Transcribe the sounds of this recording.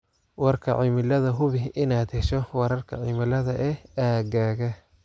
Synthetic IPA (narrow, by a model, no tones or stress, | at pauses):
wɑrkʰɐʕimɪlɐðɐɦʊβɪɪnaːd̪hɛʃɔwɑɾɐrkʰɐ̰ʕimɪlɐðɐʔɛaːɡaːɣɐ